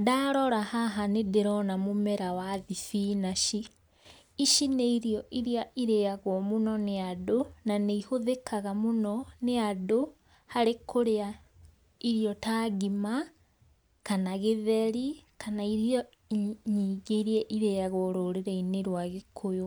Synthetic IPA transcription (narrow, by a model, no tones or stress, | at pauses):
daːɾɔɾahaɦanedeɾɔnamomɛɾawaðifinaʃi | iʃineiɾiɔʔiɾiaʔiɾejaɣwɔmonɔneadonaneihoðekʰaɣamonɔneado | haɾekʰoɾea | iɾiɔtaɣima | kanaɣeðɛɾikʰanaiɾiɔ | ɲiɡeɾiɛʔiɾejaɣɔɾoːɾeɾɛineɾwaɣekʰojo